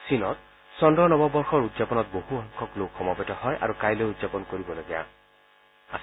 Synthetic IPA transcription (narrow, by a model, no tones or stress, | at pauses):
sinɔt̚ | sɔndɹɔnɔbɔbɔɹxɔɹudzapɔnɔt̚bohuɔŋkʰɔklokxɔmɔpɛtɔhɔjʔa̰ɹukajlojudzapɔnkoɹibɔloɡɛja̰ | as